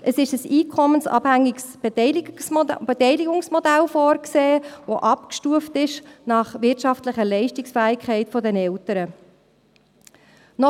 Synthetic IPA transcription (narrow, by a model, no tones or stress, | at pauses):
ʔəsɪʃəsiːkʰɔmənsɑ̰ːbhæŋːiɡsb̥sbɛtɛɪliɡʊŋsmɔdælfɔːrkseːʋoʔɑpkʃtuəftɪʃnɑχʋɪɾtt͡ʃɑftlɪχəlɛɪʃtɪksfæːɪkʰχɛɪtfɔdɛnɛltəɾə | nɔ